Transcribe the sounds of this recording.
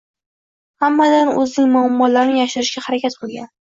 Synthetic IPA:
hamːad̪anɵznɪŋmʊamːɒlaɾnɪjaʃʊɾɪʃɡʲahaɾakʲat̪̚qolˠɡʲan

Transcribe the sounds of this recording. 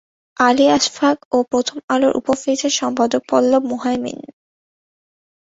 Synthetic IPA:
aliaʃfʰakopɾot̪ʰomaloɾʔṵpofet͡ɕeʃɔmpad̪ok̚pɔlːobmoɦaemḭn

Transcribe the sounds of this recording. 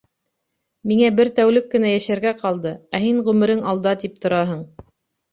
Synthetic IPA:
miŋæbɘɾt̪æwlɘkːɘ̆næjæʃæɾɡæqɑlˠd̪ɤæɦiɴʁʉmɘ̆ɾɘŋɑlˠd̪ɑt̪ip̚t̪ŏɾɑɦɤɴ

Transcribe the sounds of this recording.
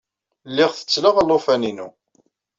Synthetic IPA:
lːɪʁθə̥t͡sːləʁəlːofæninu

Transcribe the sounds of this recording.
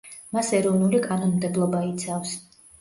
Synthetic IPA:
masɛɾɔvnulikʼanɔnmd̪ɛblˠɔbait̪sʰafs

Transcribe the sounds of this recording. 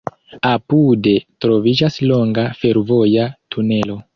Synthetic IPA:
apude̞tɾo̞vid͡ʒaslo̞ŋɡafe̞ɾvo̞jatʰune̞lo̞

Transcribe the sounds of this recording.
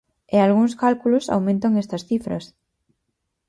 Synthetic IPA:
ealɣuŋskalkulʊsa̰wmẽnt̪ɐŋest̪ɐsθifɾɐ̰s

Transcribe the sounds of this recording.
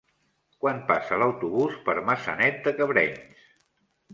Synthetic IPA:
kwanpasələwt̪uβuspəɾməsə̰nɛt̪̚d̪əkəβɾɛɲs

